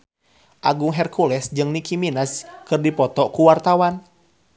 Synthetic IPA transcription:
ʔaɡuŋɦɛrkʰulɛsd͡ʒɨŋnikiminaskɨrdipɔt̪ɔkuwart̪awan

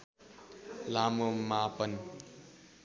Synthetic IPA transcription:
lamomapʌni

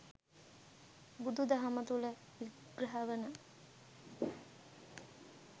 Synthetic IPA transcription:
bud̪ud̪ɐɦamət̪ulə | ʋiɡɾɐɦaʋənə

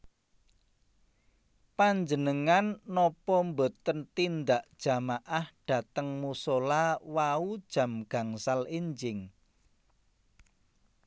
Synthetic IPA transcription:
paɲd͡ʒənəŋanːɔpɔmbo̤t̪ːənt̪ind̪aʔd̥ʒ̥ä̤maʔahɖ̥a̤t̪əŋmusolawaud̥ʒ̥a̤mɡ̥a̤ŋsaliɲd͡ʒɪŋ

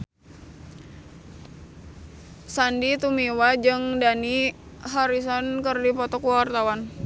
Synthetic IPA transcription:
sandit̪umiwad͡ʒɨŋdani | ɦaɾis̬ɔnkɨrdipɔt̪ɔkuwart̪awan

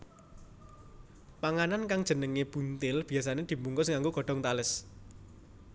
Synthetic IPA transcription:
paŋanankaŋd̥ʒ̥ə̤nəŋeb̥unt̪ɪlb̥i̤asaned̪̥i̤mbuŋɡʊsŋaŋɡoɡ̥ɔ̤ɖ̥ɔ̤ŋt̪alɪs

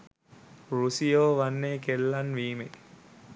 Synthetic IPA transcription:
rusijoːʋanːeːkelːanʋiːmek

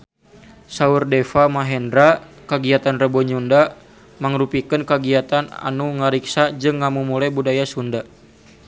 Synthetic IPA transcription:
saurdɛfamaɦɛndɾa | kaɡiat̪anrəbɔɲunda | maŋɾupikənkaɡiat̪ana̰nuŋaɾiksad͡ʒɨŋːamumulajbudajasunda

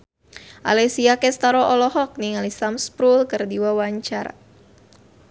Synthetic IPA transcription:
ʔa̰lɛsiakɛst̪aɾɔʔɔlɔɦɔk̚niŋalisamspɾulkərdiwawaɲt͡ʃa̰ra

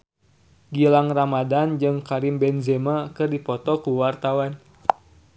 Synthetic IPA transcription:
ɡilaŋramadand͡ʒɨŋkaɾimbɛnzɛmakɨrdipɔt̪ɔkuwart̪awan

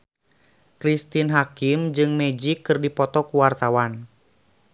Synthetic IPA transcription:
kɾist̪inɦakimd͡ʒɨŋmɛd͡ʒikːɨrdipɔt̪ɔkuwart̪awan

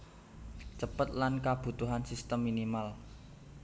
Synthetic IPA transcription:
t͡ʃəpət̪̚lankab̥ṳt̪uɦansist̪əmːinimal

